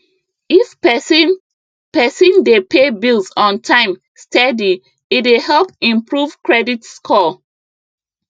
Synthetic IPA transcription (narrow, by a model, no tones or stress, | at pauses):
if | pɛsĩndepebilsɔ̃ntʰãɪ̃m | stɛdi | itwehɛlpĩmpɹuvkɹɛditskʰɔ